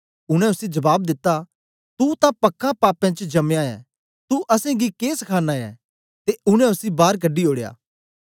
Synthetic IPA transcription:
ʊɽ̃ɛ̃ʊsid͡ʒɐbaːb̚d̪ɪt̪ːa | t̪ut̪ãpɐkːãpaːpɛ̃t͡ʃd͡ʒɐmjãɛ̰̃ | t̪uʔɐsɛ̃ɡikeːsɐkʰaːnaːjɛ̰ | t̪eʊñɛ̃ʊsibaːɾk̬ɐɖioːɽeja̰ː

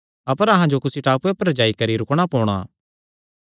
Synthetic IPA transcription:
ɐpəɾɐɦãd͡ʒokʊsiʈaːpuepɐɾd͡ʒaːikɐɾiɾʊkɽ̃apɔːɽ̃a̰ː

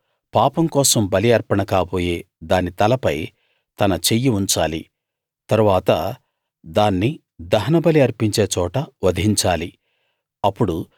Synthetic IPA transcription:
paːpɐmkɔːsɐmbɐliɐɾpɐɳɐkaːboːje̞ːd̪aːnit̪ɐlɐpɐj | t̪ɐnɐt͡ʃe̞jːiuɲt͡ʃaːlḭ | t̪ɐɾuʋaːt̪ɐ̰ | d̪aːnːi | d̪ɐɦɐnɐbɐliɐɾpiɲt͡ʃe̞ːt͡ʃɔːʈɐʋɐd̪ɦiɲt͡ʃaːli | ɐpːuɽu

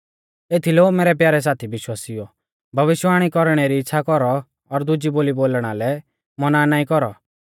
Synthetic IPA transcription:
eːt̪ʰilɛomeːɾɛp̬jaːɾɛs̬aːt̪ʰibɪʃwaːsijɔ | bʱɐʋɪʃwaːɽ̃ikɔɾɽ̃ɛɾiɪtːʃʰakɔɾɔː | ɾd̪ʊd͡ʒiboːliboːlɽ̃alɛ | mɔnanaːĩkɔɾɔ̰

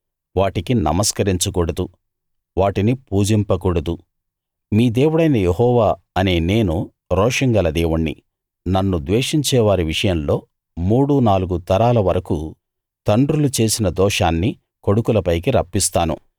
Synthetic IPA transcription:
ʋaːʈikinɐ̰mɐskɐɾiɲt͡ʃukuːɽɐd̪u | ʋaːʈinipuːd͡ʒimpɐkuːɽɐd̪u | miːd̪e̞ːwuɽɐjnɐjeɦɔːʋaː | ɐne̞ːne̞ːnu | ɾɔːʂɐŋɡɐlɐd̪eːʋuɳːḭ | nɐnːud̪ʋeːʂiɲt͡ʃɛːʋaːɾiʋiʂɐjɐmlo̞ː | muːɽunaːluɡut̪ɐɾaːlɐʋɐɾɐku | t̪ɐɳɖɾulut͡ʃe̞ːsinɐd̪ɔːʂaːnːi | ko̞ɽukulɐpɐjk̬iɾɐpːist̪aːnṵ

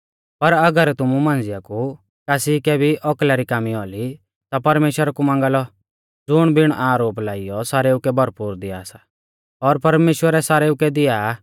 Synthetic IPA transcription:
pɐɾɐɡəɾt̪ʊmumãːnd͡zɪjaku | kaːsikɛbʱiʔɔklaɾikaːmiɔːli | t̪apɐɾmeːʃwəɾakumãːŋɡalɔ | d͡zʊɽ̃bɪɽ̃ʔaːɾoːp̬laːɪjɔsaːɾeːukɛbʱɐɾpuːɾd̪ɪaːsa | ɔːɾpɐɾmeːʃwəɾɛsaːɾeːukɛd̪ɪjaː

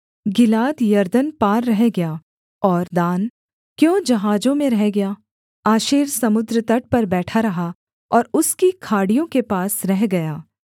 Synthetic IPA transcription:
ɡɪlaːd̪jɐɾd̪ənpaːɾːɐɦeɡɐjaː | ɔːɾd̪aːn | kjõːd͡ʒɐɦaːd͡ʒõmẽɾɛɦeɡɐjaː | aːʃiːɾsɐmʊd̪ɾət̪ɐʈ̚pɐɾbɛːʈʰaɾɐɦa | ɔːɾʊskikʰaːɽijõkepaːsɾɛɦɡɐjaː

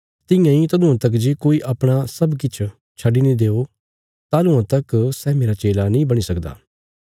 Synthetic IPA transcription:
t̪ɪ̃jãĩt̪ɐd̪ʊ̃ãt̪ɐk̬d͡ʒekoːiʔɐpɽ̃asɐbkɪt͡ʃʰ | t͡ʃʰɐɖinĩd̪eːo | t̪aːlũãt̪ɐksɛːmeːɾat͡ʃeːlanĩːbɐɽ̃isɐkd̪a̰ː

